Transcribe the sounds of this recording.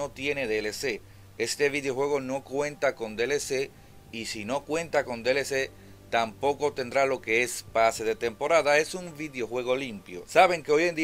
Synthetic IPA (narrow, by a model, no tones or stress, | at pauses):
o̞t̪jene̞ðeːlese̞ | e̞st̪e̞βiðejo̞xwe̞ɣ̞o̞no̞kwe̞nt̪ako̞nd̪elese̞ | isino̞kwe̞nt̪ako̞nd̪elese̞ | t̪ampo̞ko̞t̪e̞nd̪ɾalo̞ke̞espase̞ðe̞t̪e̞mpo̞ɾaðae̞sumbiðeo̞xwe̞ɣ̞o̞limpjo̞̰saβe̞ŋke̞o̞je̞nd̪i